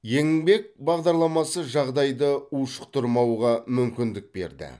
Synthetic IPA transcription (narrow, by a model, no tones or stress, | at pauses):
je̞ŋbe̞k̚bɑʁd̪ɑɾlˠɑmɑsəʒɑʁd̪ɑjd̪əuʃə̥q̚t̪ʊɾmɑwʁɑmʏmkʲɪnd̪ɪk̚be̞̰ɾd̪ɪ̰